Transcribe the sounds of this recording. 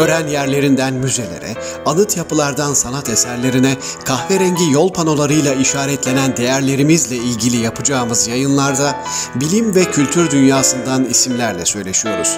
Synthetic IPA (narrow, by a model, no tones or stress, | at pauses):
øɾænjæɾlʲe̞ɾind̪ænmyze̞lʲḛɾɛ̰ | alˠɯt̪ʰjapʰɯlˠaɾd̪ansanat̪esæɾlʲe̞ɾinɛ | kʰaxveɾɛɲɟijo̞lˠpʰano̞lˠaɾɯjlˠaiʃaːɾɛt̪ʰlʲenænd̪e̞jæɾlʲe̞ɾimizlʲɛilʲɟilʲijapʰɯd͡ʒaːɯmɯzjajɯnlˠaɾd̪a | bilʲimvɛcʰylʲt̪ʰyɾd̪ynjaːsɯnd̪anisimlʲæɾlʲɛ̰sø̞jlʲe̞ʃijo̞ɾuz̥